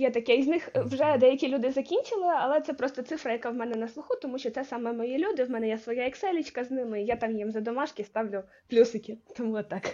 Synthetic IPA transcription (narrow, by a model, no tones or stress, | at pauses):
jɛt̪ɐkɛiznɪxʋʒɛd̪ɛjɐkʲilʲud̪ɪzɐkʲinʲt͡ʃɪlˠɪɐlˠɛt̪sɛpɾɔst̪ɔt̪sɪfɾɐjɐkawmɛnɛnɐslˠʊxʊt̪ɔmuʃʲt͡ʃɔtsɛsɑmɛmɔjilʲud̪ɪwmɛnɛjɛsʋɔjaɛksɛlʲɪt͡ʃkɐznɪmɪijat̪ɑmjimzɐd̪ɔmɑʃkʲɪst̪ɑwlʲʊ | plʲusɪkʲɪt̪ɔmuɔt̪ːɑk